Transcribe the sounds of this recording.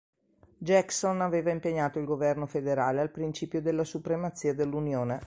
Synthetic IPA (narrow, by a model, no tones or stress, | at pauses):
d͡ʒɛksonaveːvaimpeɲːaːt̪oilɡovɛrnofed̪eɾaːlealpɾint͡ʃiːpjod̪elːasupɾemat̪sːiːad̪elːunjoːne